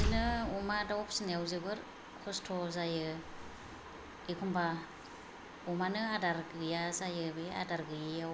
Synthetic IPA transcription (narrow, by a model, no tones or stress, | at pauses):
zinɯumadawɔpʰsinjawzɯɡɯɾ | kʰɔstʰɔzajɯ | ikʰɔmba | umanɯadaɾɡɯjazajɯbɯa̰daɾɡɯjɯjaw